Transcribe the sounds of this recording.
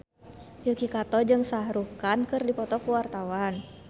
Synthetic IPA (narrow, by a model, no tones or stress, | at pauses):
ukikat̪ɔd͡ʒɨŋsaɾukankɨrdipɔt̪ɔkuwart̪awan